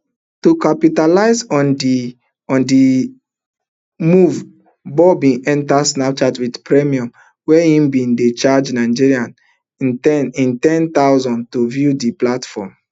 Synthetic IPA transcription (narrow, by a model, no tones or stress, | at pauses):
tukapitalaɪzɔndi | ɔ̃ndi | muv | bɔbĩnɛ̃ntasnap̚t͡ʃadwidpɹɛmiɔ̃m | wɛhĩmbĩndet͡ʃad͡ʒnaɪd͡ʒiɹiãn | ɛnĩntɛ̃nt̪aʊzɔ̃ntuvjudiplatfɔ̰m